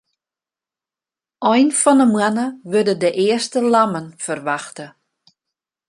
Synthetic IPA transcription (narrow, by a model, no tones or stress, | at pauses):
ʔɔjnfɔnəmwanəʋødədəʔɪərstəlamənfərʋaxtə